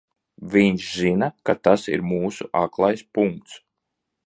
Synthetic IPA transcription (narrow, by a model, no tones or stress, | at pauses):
viɲʃzinakat̪asḭɾmuːsuʔaklˠajspuŋk̚t̪s